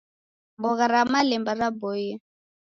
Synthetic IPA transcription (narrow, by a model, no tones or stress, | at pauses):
mbɔɣaɾamalɛmbaɾabɔjɛ